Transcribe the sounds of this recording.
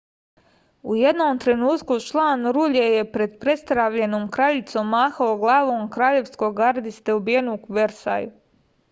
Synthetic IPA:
ujed̪noːmt̪ɾe̞nuːt̪kut͡ʃlˠaːnɾuʎeje̞pɾe̞d̪pɾe̞st̪ɾaːʋʎe̞noːmkɾaːʎit̪somːaːxaoɡlˠaːʋoːmkɾaːʎe̞ʋsko̞ɡaɾd̪ist̪e̞ubije̞nukuʋe̞ɾsa̰ːju

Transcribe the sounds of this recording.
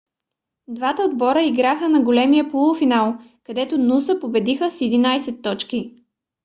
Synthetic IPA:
d̪vat̪əod̪bɔɾəiɡɾaxənɐɡolɛmijəpolˠʊfinalˠ | kɐd̪ɛt̪onusəpobɛd̪ixəsɛd̪inajsɛt̪ːɔt͡ʃki

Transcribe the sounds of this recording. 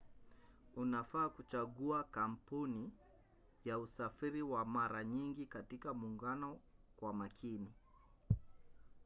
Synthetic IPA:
unafaːkut͡ʃaɠuakampuni | jausafiɾiwamaɾaɲiŋɡikatikamuːŋɡanɔkwamakʰini

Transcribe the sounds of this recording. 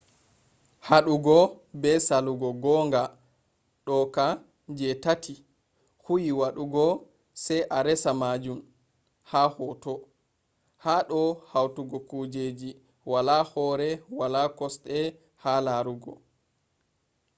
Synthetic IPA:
haɗuɡɔbɛsaluɡɔɡɔŋɡa | ɗɔka | d͡ʒɛtatʰi | hujiwaɗuɡɔ | sɛjʔaɾɛsamad͡ʒum | hahɔtɔ | haɗɔhawtuɡɔkud͡ʒed͡ʒi | walahɔɾɛwalakɔsɗɛ | halaɾuɡɔ

